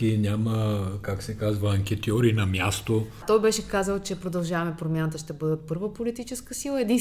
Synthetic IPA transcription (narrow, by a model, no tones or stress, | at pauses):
inʲaməkaksɛkazvəɐŋkʲɛt̪iɔɾinɐmjast̪ot̪ɔjbɛʃɛkazəlˠt͡ʃɛpɾod̪ɐlˠʒavɐmɛpɾomʲjanət̪əʃt̪ɛbɤd̪ət̪̚pɤɾvəpolit̪it͡ʃɛskəsilˠəɛd̪in